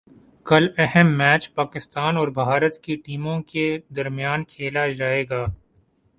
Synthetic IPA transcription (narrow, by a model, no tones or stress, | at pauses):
kɐlɛɦɛmːɛːt͡ʃpaːkɪst̪aːnɔːɾbʱaːɾət̪kiʈiːmõked̪ɐɾmijaːnkʰeːlad͡ʒaːeːɡaː